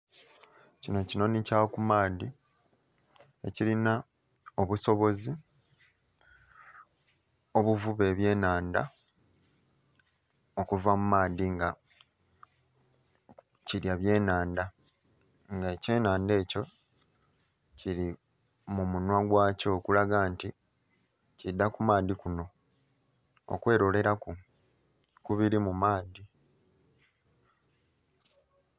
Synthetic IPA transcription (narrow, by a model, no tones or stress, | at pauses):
cino̞cino̞nicawokumaːdi | e̞̰cilina | o̞βuso̞βo̞zi | o̞βuvuβe̞ːβje̞ːnaːnda̰ | o̞kuvamumaːdiŋɡa | ciɾjaβje̞ːnaːnda | ŋɡaece̞ːnaːnde̞ːco̞ | ciɾi | mumunwaɡwaːco̞ːkulaɡaːnti | cidːakumaːd̪ikuno̞ | o̰kwe̞ːɾo̞le̞ɾaku | kuβiɾimumaːdi